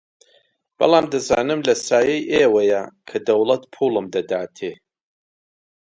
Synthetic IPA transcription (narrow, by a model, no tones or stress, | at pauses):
b̥ɐ̰lˠaːmd̪ɐzaːnɨmlɐsaːjɛjʔeːwɐjɐkʰɐd̪ɐwlɐt̪pʰuːlɨmd̪ɐd̪aːt̪ʰeː